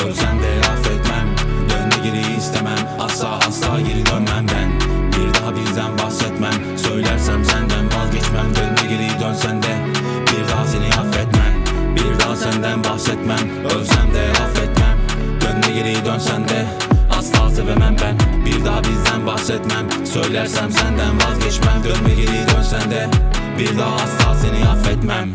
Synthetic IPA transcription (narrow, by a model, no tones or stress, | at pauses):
øɾsænd̪ɛɾɑfɛt̪mæmd̪ønd̪ɛɟeɾejiːst̪ʰemæn | ɑslˠɑːʔɑslˠɑːɦɟiɾid̪ønmænbænbiɾd̪ɑɦabizd̪ænbɑhsɛt̪mæn | søjlæɾsæmsænbænbazɟɛt͡ʃmæmd̪ønnɛɟeɾijid̪ønsænd̪ɛ | biɾd̪ɑɦasenihɑfɛt̪mænbiɾd̪ɑːsɛnd̪ænbɑhset̪mæn | øɾsænd̪ɛɑfet̪mænd̪̥ønd̪ɛɡʲiɾijd̪ønsænd̪ɛ | ɑslɑːsɨvemænbænbiɾd̪ɑːbizd̪ænbɑhset̪mænsøjlæɾsæmsænd̪ænbɑzɡʲet͡ʃmænd̪ønb̪ɛɡʲeɾijd̪ønsænd̪ɛbiɾd̪ɑːɑst̪ɑːsenɪɑfet̪mæn